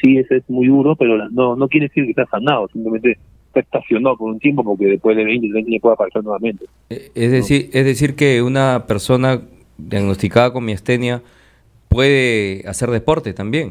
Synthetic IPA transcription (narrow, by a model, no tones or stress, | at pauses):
siesoezmujðuɾopeɾolanono̞k̬jeɾeðesiɾke̞se̞asanaðosimplemẽnt̪e | sest̪asjo̞nopoɾunt̪je̞mpo̞poɾkeðepwezðeβejnt̪ent̪ɲepweapaɾesaɾnweβamẽ̞nt̪e | ezðesiɾezðesiɾke̞unape̞ɾso̞na | d̪jaɣno̞st̪ikaðako̞ŋmiast̪e̞nja | pwe̞ð̞e̞ase̞ɾðe̞po̞ɾt̪e̞t̪ambje̞ŋ